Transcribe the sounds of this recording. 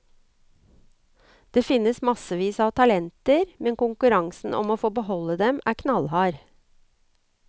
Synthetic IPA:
d̪̥eːfɪnːəsmɑsəʋiːsɑːʋt̪ʰɑlɛnt̪əɾmɛnkʊŋkʉɾɑŋsn̩ʔɔ̰moːfoːbəhɔləd̪ɛmæ̰ːɾkʰnɑlhɑːɾ

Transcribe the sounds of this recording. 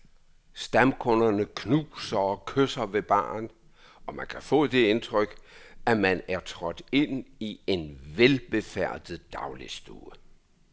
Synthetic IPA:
sd̥æmkʰɔnɐnəkʰnuːsɐɒkʰøsɐʋe̝b̥ɑ̰̈ːn | ɒ̽mænkʰæfɔ̰̽ːd̥e̝e̝nt͡sʰʁœɡ̥æmænæɐt͡sʰʁɒ̽d̥e̝n̰ie̝nʋelb̥e̝fæɐ̰d̥ð̩ˠd̥ɑ̈ʊlisd̥uː

